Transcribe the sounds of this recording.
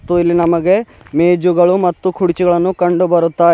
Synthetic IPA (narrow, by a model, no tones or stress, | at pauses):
t̪ːuilːinɐmɐɡe̞ | meːd͡ʒuɡɐɭumɐt̪ːukʰuɽit͡ʃiɡɐɭɐnːukɐɳɖubɐɾut̪ːaː